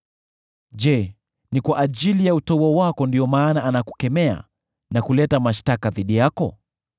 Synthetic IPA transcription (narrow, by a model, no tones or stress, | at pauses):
ʄɛ | nikwaʔaʄilijautɔuɔwakɔndiɔmaːnaːnaku̥kɛmɛa̰ | nakulɛtamaʃtakaðiɗijakɔ